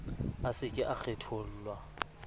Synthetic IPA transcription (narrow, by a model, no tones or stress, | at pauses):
asɪkʼɪʔak͡xʰetʰol̩ːlwa